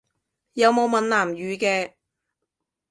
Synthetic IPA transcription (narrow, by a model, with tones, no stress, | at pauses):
jɐ˨˧wmo˨˧wmɐ˨nlaː˨˩mjyː˨˧kɛː˧